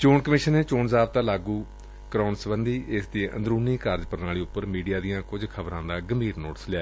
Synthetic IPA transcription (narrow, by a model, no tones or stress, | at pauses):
t͡ʃoːɳkəmɪːʃənːeːt͡ʃoːnzaːb̚t̪ãːlaːɡuː | kɾaːnsəʋənd̪iːʔɪsd̪iːə̰̃nd̪ɾuːniːkaːɾd͡ʒpəɾnaːɭiːʊpːəɾmiːɖijaːd̪ijãːkʊd͡ʒkʰəbɾãːd̪aːɡəmbʱiːɾnoːʈəslɪaː